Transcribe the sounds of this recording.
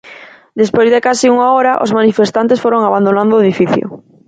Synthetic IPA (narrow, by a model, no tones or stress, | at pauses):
d̪espojzðekasiuŋaoɾaʔo̰zmanifest̪ant̪̬esfoɾoŋaβand̪onãnd̪oeðifiθjo̰